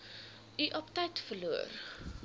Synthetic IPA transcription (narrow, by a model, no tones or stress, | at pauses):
ʔiʔɔptɛjtfərluər